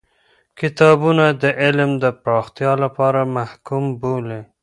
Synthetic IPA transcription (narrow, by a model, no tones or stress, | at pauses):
kɪt̪ɑbunad̪əʔɪlmd̪əpɾɑxt̪jɑlapɑɾamahkumbole